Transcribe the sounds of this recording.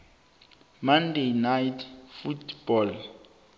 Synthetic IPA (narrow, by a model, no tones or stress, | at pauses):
mandejnajtʰfutb̥ɔl